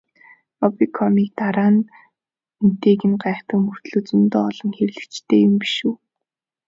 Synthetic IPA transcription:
ɔpikʰɔmiːk̚t̪aɾaːn | n̥t̪eːkɘ̆nɢaːχt̪ə̆mɵr̥t̪ɮoːt͡sɵnt̪ɔːɮɞ̆ŋxeɾ̆ɮɘ̆kt͡ɕt̪ʰeːjʊmpi̥ʃuː

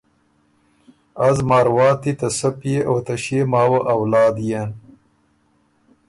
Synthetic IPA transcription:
azmɑːɾwɑːt̪it̪ɐsɐpjeʔat̪ɐɕeːmaːwɐʔɐwlɑːd̪jen

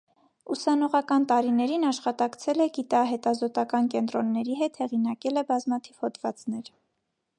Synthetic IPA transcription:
usɑnɔʁɑkɑnt̪ɑɾinɛɾinɑʃχɑt̪ɑkt͡sʰɛlɛɡit̪ɑɦɛt̪ɑzɔt̪ɑkɑnkɛnt̪ɾɔnːɛɾiɦɛt̪hɛʁinɑkɛlɛbɑzmɑt̪ʰiv̥hɔd̪vɑt͡snɛɾ

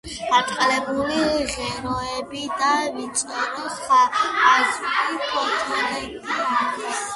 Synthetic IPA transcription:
at̪ʼqʼlɛbuliʁɛɾɔɛbid̪avit̪sʼɛɾɔχaazulipʰɔɾt̪ʰalɛbiad̪ɛs

